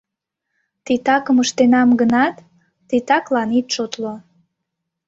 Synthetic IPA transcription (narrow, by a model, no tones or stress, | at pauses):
t̪it̪ɑkəməʃt̪enɑmɡənɑt̪ː | it̪ɑklɑnit̪ʃot̪lo